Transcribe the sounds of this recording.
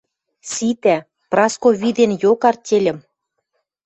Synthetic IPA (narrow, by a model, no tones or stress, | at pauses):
sit̪æ | prɑskoβid̪enjokɑrtʲelʲə̆m